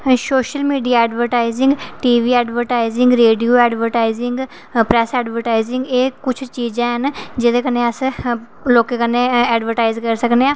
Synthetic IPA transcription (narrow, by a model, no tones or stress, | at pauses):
soːʃəlmiːɖijaːɛːɖʋəɾʈaːɪzɪŋɡʈiːʋiːɛːɖʋəɾʈaːizɪŋɡɾeːɖijoːɛːɖʋəɾʈaːɪzɪŋɡ | pɾɛːsɛːɖʋəɾʈaːɪzɪ̃ŋɡeːkʊt͡ʃʰt͡ʃiːd͡ʒãːɦənd͡ʒɪd̪eːkəneːəs | loːkeːkənːeːɛːɖʋəɾʈaːɪzkəɾsəkneːãː